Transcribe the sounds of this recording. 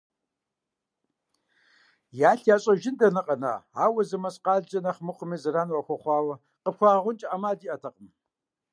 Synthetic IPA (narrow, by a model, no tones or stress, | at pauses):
jaːɬjaːɕʼɐʒɪndɐnɨqʼɐna̰ːaːwɐzɨmɐɕʼqɑːɮd͡ʒʼɐnɐχmɨqʷʊmiːzɨraːnwɐxʷɐχʷɑːwɐ | qəpxʷɑːʁʷʊnt͡ʃʼaʔamaːdiːʔɐtʰɐqʼəm